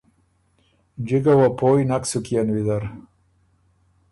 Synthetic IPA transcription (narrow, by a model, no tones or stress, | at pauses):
d͡ʒiɡawapojnaksukianwid̪aɾ